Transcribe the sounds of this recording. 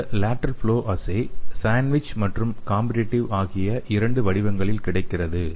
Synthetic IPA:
laːʈːɐɾfɭoːʔɐsɐɪsaːnʋɪt͡ʃmɐʈrɯmkaːmbɪɾeʈːɪʋaːɣɪjɐʔɪɾɐɳɖɯʋɐɽɪʋɐŋɡɐɭɪlkɪɽɐɪkːɪrɐðɯ

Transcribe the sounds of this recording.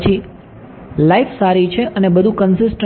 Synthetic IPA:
t͡ʃʰi | laifʰsaɾit͡ʃʰeʔənebəd̪ʱũkənsɪsʈə

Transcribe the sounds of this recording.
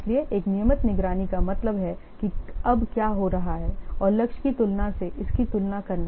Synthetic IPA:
lieʔeːknijəmət̪nɪɡɾaːnikamɐt̪ləbɦɛkiɐbkjaːɦoɾɐɦaɦɛːɔːɾlɐkʃkit̪ʊlnaseʔɪskit̪ʊlnakɐɾna

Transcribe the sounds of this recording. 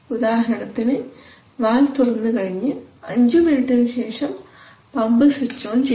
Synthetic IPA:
ud̪aːɦɐɾɐɳɐt̪ːinɨ | ʋaːlt̪urɐnːɨkɐɻiɲːɨɐɲd͡ʑɨminiʈːɐlɕeːʂɐm | pɐmbɨsit͡ɕːoːnt͡ɕe

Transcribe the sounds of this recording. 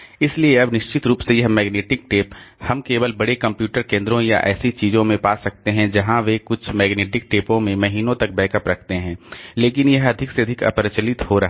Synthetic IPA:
ɪslieɐbnɪʃt͡ʃɪt̪ɾuːpsejɐɦmɛːɡneːʈɪk̚ʈeːphɐmkeːʋəlbɐɽekɐ̃mpjuːʈəɾkẽːnd̪ɾõjaʔɛ̰ːsit͡ʃiːzõmẽpaːsɐk̚t̪eɦɛ̃d͡ʒɐɦãʋekʊt͡ʃʰmɛːɡneːʈɪk̚ʈeːpõmẽmɐɦiːnõt̪ɐk̚bɛːkəpɾɐkʰt̪eɦɛ̃ːleːkɪnjɐɦɐd̪ʱɪkseɐd̪ʱɪkɐ̰pɾɪt͡ʃəlɪt̪ɦoɾɐɦ

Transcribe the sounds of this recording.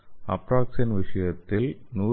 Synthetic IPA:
ɐ̰pɾaːksɐnʋɪʂɐjɐt̪ːɪlnuː

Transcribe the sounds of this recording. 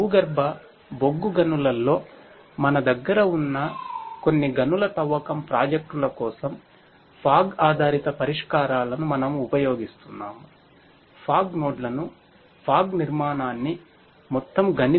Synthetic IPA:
uːɡɐɾbʱɐ | boɡːuɡɐnulɐlːo̞ː | mɐnɐd̪ɐɡːɐɾɐunːɐko̞nːiɡɐnulɐt̪ɐʋːɐkɐmpɾaːd͡ʒɐk̚ʈulɐkɔːsɐm | pʰaːɡaːd̪ʱaːɾit̪ɐpɐɾiʂkaːɾaːlɐnumɐnɐmuupɐjo̞ːɡist̪unːaːmu | pʰaːɡnoːɖlɐnu | pʰaːɡniɾmaːnaːnːi | mɔt̪ːɐmɡɐni

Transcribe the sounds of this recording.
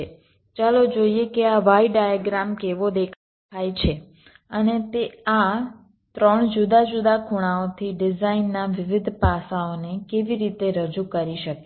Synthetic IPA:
t͡ʃalod͡ʒoiekeaʋaiɖajaɡɾamkeʋod̪ekʰ | ajt͡ʃʰe | ənet̪ea | t̪ɾəɳd͡ʒud̪ad͡ʒud̪akʰuɽ̃aot̪ʰiɖɪzainːaʋɪʋɪd̪ʱpasaonekeʋiɾit̪eɾəd͡ʒukəɾiʃəke

